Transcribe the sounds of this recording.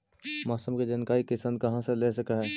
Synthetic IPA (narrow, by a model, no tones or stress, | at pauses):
maːsəmked͡ʒɐnkaːikɪsənd̪̚kɐɦãseleːsəkaɦɛː